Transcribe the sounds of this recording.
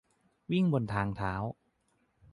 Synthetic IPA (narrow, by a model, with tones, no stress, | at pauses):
wi˥˩ŋbo˧nt̪ʰaː˧ŋt̪ʰaː˩˦w